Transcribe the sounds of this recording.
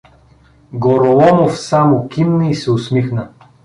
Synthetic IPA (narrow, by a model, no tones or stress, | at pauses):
ɡoɾolˠɔmofsamokʲimnəisɛʊsmixnə